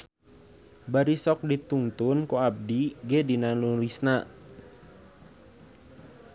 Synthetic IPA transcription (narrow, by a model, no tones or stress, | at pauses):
baɾisɔk̚dit̪uŋt̪ʊnkoab̚diɡedinalulisna